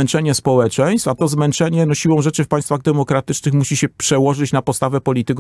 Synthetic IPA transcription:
ɛnt͡ʂɛɲɛspɔwɛt͡ʂɛj̃st̪fat̪ɔzmɛnt͡ʂɛɲɛnɔɕiwɔ̃w̃ʐɛt͡ʂɘfpaj̃st̪faɣd̪ɛmɔkɾat̪ɘt͡ʂnɘxmuɕiɕɛpʂɛwɔʐɘt͡ɕnapɔst̪avɛpɔlʲit̪ɘk

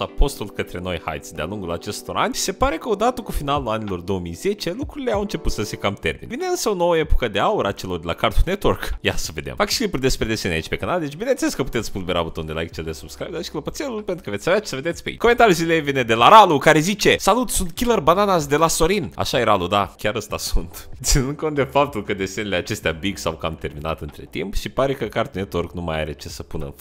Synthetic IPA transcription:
apo̞st̪ulkət̪ɾe̞no̞jha̰jt̪sʲd̪ea̰luŋɡula̰t͡ʃe̞st̪o̞ɾʔanʲse̞paɾe̞kəo̞d̪at̪əkufinaluanilo̞rd̪o̞omijz̥e̞t͡ʃelukɾuɾile̞awɨnt͡ʃe̞put̪səsekamt̪e̞̰rmḭneineɨnsəono̞wəe̞pokəd̪e̞auɾəat͡ʃe̞lord̪ela̰kart̪unet̪orkja̰səve̞d̪ḛmfakʃi̥klipuɾʲd̪e̞spɾed̪esenʲa̰it͡ʃpekanald̪et͡ʃʲbineneleskəput̪e̞t̪sʲpulveɾaut̪ond̪ela̰jk̚t͡ʃeld̪esub̥skɾajbd̪aʃikələpot̪sʲeɾulpent̪ɾukəvet̪ʲaveat͡ʃi̥səve̞d̪et̪sʲpeḭkomet̪aɾʲjuzilejvined̪e̞laɾalukaɾe̞zit͡ʃe̞salut̪sunt̪̚kʲilərbananasd̪e̞laso̞ɾina̰ʃajeɾalud̪akʲaɾəst̪asunt̪t̪sinɨnd̪̚ko̞nt̪d̪efap̚t̪ulkəd̪e̞senileat͡ʃe̞st̪eabiɡsawkəa̰mt̪e̞rmina̰t̪ɨnt̪ɾe̞̰t̪ḭmpʃipaɾe̞kəkart̪unet̪orknuma̰ja̰ɾet͡ʃesəpunə̰nf

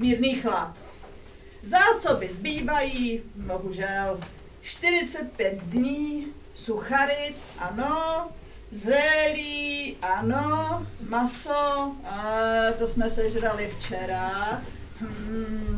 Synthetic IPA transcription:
miːɾniːxlat̪ | zaːsobɪzbiːvajiːboɦuʒɛl | ʃt̪ɪɾɪt͡sɛt̪̚pjɛt̪dɲiː | suxaɾɪt̪ʔano | zrɛliːʔanomaso | t̪osmɛsɛʒɛdalɪft͡ʃɛɾa

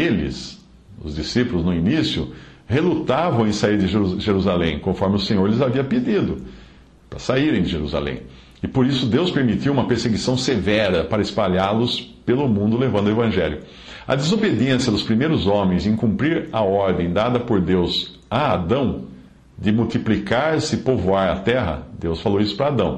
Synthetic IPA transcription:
elɪ̰s | ʊ̰zd̪isipʊlʊznʊinisjʊ | helut̪avɐ̃w̃ẽj̃saiɾd̪ɪʒeɾuzalẽj̃kõfɔɾmɪʊsẽɲoɾlɪzaviɐped̪id̪ʊ | pɾɐsaiɾẽj̃d̪ɪʒeɾuza̰lḛ̃j̃ | ɪpoɾisʊd̪ewspeɾmit̪iwũmɐpeɾseɡisɐ̃w̃sevɛɾɐpaɾɐɪspaʎaɾlʊspelʊmũnd̪ʊlevɐ̃nd̪ʊevɐ̃ʒɛljʊ | ɐ̰d̪ɪzobed̪iẽnsjɐd̪ʊspɾimejɾʊzõmẽj̃zẽj̃kũmpɾiɾɐɔɾd̪ẽj̃d̪ad̪ɐpoɾd̪ewz | aːd̪ɐ̃w̃ | d̪ɪmuwt̪iplikaɾsɪpovoaɾɐt̪ɛɦɐ̰d̪ewsfalowisʊ̥pɾɐad̪ɐ̃w̃

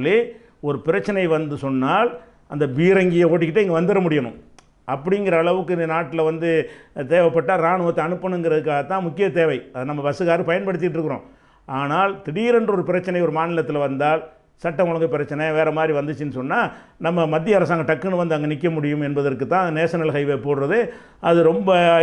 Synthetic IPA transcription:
lːi | ɔɾɯpɪɾɐt͡ʃːɐnɐɪʋɐnd̪ɯsɔnːaːl | ɐnd̪ɐʋiːɾɐŋɡɪjɐoːʈːɪkːɪʈːɯɛŋɡɐʋɐnd̪ɯɾɐmʊɽɪjɐɳɯ̰̃m | ʔɐpːɐɽɪŋɡɪɾɐːɭɐʋɯkːɯɪnd̪ɐnaːʈːɪlɐʋɐnd̪ɯt̪eːʋɐpːɐʈːaːɾaːɳɯʋɐt̪ːɐɐɳɯpːɐnɯŋɡɪɾɐðɯkːaːɣɐt̪ːãːmʊkːɪjɐt̪eːʋɐɪɐðɯnɐmːɐpɐsɯɣaːɾpɐjɐnpɐɽɯt̪ːɪʈ̬ːɪɾɯkːɯɾõ̰ː | ʔaːnaːlt̪ɪɽiɾɐndrɔɾɯpɪɾɐt͡ʃːɐnɐɪɔɾɯmaːnɪlɐt̪ːɪlɐʋɐnd̪aːl | sɐʈːɐmʊɭɐŋɡɐpɪɾɐt͡ʃːɐnɐɪʋeːɾɐmaːd̪ɾiʋɐnd̪ɯt͡ʃːɯnːɯsɔnːaːnɐmːɐmɐd̪ːɪjɐɾɐs̬aːŋɡɐʈɐkːɯnɯʋɐnd̪ɯɐŋɡɐnɪkːɐmʊɽɪjɯmɛnbɐðɐɾkːɯt̪ːãːɐðɯneːsɐnɐlkɐɪʋeːpoːɽɾɐðɯ | ʔɐðɯɾɔmbɐ

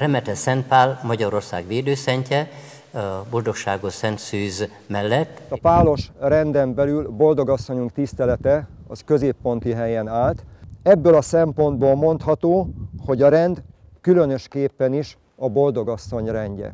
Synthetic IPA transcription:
rɛmɛt̪ɛsɛnt̪̚paːlmɒɟɒɾo̞rsa̰ːɡʋeːd̪øːsɛɲcɛ | bo̞ld̪o̞kʃaːɡosɛnt̪syːz | mɛlːɛt̪ːt̪ɒpaːlo̞ʃrɛnd̪ɛmbɛlylbo̞ld̪o̞ɡɒsːo̞ɲuŋkt̪ist̪ɛlɛt̪ɛ | ɒ̰skø̞zeːpːo̞nt̪iɦɛjɛnaːlt̪ɛbːølɒsɛmpo̞nd̪̚boːlmo̞nt̪hɒt̪oːho̞ɟɒɾɛnd̪ | kylø̞nø̞ʃkeːpːɛniʃ | ɒbo̞ld̪o̞ɡɒsːo̞ɲrɛɲɟɛ̰

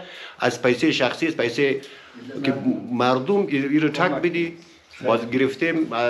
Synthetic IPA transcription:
a̰zpajseʃaxsiaspajse | kimaɾd̪umiɾəʈʰak̚bid̪i | bɔzɡiɾift̪em

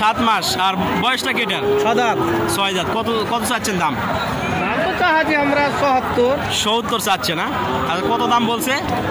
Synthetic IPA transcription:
ʃat̪maʃaɾbɔjɔʃʈakeʈeɾʃɔd̪ad̪sɔjd̪at̪̚kɔt̪okɔt̪osaːɕʰend̪am | bat̪osaɦad͡ʑiɦamɾasɔɦɔt̪ːoɾ | ʃout̪ːoɾsatːɕʰena | akɔt̪od̪ambolse

